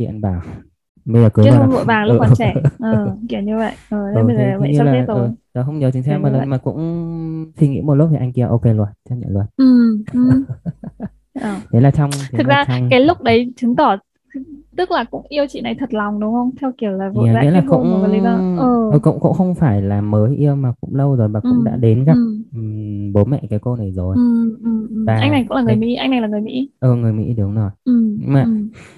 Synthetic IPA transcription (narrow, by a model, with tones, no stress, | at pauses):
ɗḭ˧˨ə˨nɓaː˧˩ | ɓə˧jzəː˨˩kɨ˨˦˥waː˨˩˧vṵ˧˨jvaː˨˩ŋlːk̚a˨˧˩t͡ɕɛ˧˩ʔəː˧˨˩ki˧˩əwɲɨ˧və̰˧˨jʔəː˨˩ɗəə˨˦˨ə˨˩˧və̰˧˨a˧laːe˧t̪ːəː˦˨˩jɗɔ˨˦xə˧wŋ͡mɲə˨˦t͡ɕɨ˨˦sɛ˧˥maː˨˩lə˨˦˧maː˨˩kʊ̰˧˥ŋ͡m | swi˧˩ŋḭ˧˥m˨˩t̚l̚tʰi˨˩ʔa˧jŋki˧˩ə˩ʔo˧ke˧lwt̚t͡ɕa˧ɲə̰˧˨lwə˨˩t̚ʔɨ˨˩˧ | ʔəː˧˨˩t̪ʰe˨˦laː˨˩t͡ɕɔ˧wŋ͡mt̪ʰɨ˨˩k̚zaː˧kaː˨˦jlʊ˦˥k͡p̚ɗə˨˦jt͡ɕɨ˨˦t̪ɔ˧˩˧ | t̪ɨ˦˥k̚laː˨˩kʊ̰˧˥ŋ͡mʔi˧əwt͡ɕḭ˧˨na˨˩jt̪ʰə˨˩t̚la˨˩wŋ͡mɗʊ˨˦wŋ͡mə˧wŋ͡mt̪ʰɛ˧wki˧˩əwlaː˨˩vo̰˨˧˩aː˨a̰˧˥laː˨˩kʊ̰˧˥wŋ͡mli˨˦aː˧˩ʔəː˨˩ə˧˩kʊ̰˧˥ŋ͡mkʊ̰˧˥xə˧wŋ͡mfaː˧˩jlaː˨˩məː˨˦jʔi˧əwmaː˨˩kʊ̰˧˥ŋ͡mlə˧wzo˨˩jmaː˨˩ʔʊ̰˧˩˥ŋ͡mɗa̰ː˧˥ɗe˨˦nɣa˨˩p̚ | ɓo˨˦nmɛ̰˧˨kaː˨˦jko˧na˨˩jzo˨˩jʔɨ˨˩m˨˩aː˨ʔa˧ŋŋna˨˩jkʊ̰˧˥la˨˩ŋ˨˩˨jmḭ˧˥ʔa˧jŋna˨˩jlaː˨˩ŋ˨˩jmḭ˧˥ʔəː˨˩ŋɨ˨˩əjmḭ˧˥ɗɨ˨˩ə˨wŋ͡mno˨˩jʔɨ˨˩mɲ˧maː˨˩